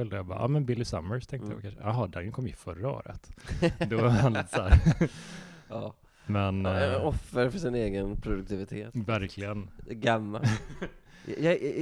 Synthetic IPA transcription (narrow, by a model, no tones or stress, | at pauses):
œld̪əjabɑ̰ːʔɑ̰ːmɛnbɪlːɪsa̰mːəɾst̪ʰɛ̃ŋk̪əj̰a̰ʋkʰanʂəjɑɦɑːd̪aŋəkʰɔmːɪfœɾao̰ːɾə̰t̪d̪ɔant̪ːsæɾ | ɑː | mɛnɔfːəɾfœʂɪneːɡənpʰɾʊd̪ɵk̚t̪ʰɪvɪt̪ʰeːt̪væɾkʰlɪɡənɡamːa̰ | jɑ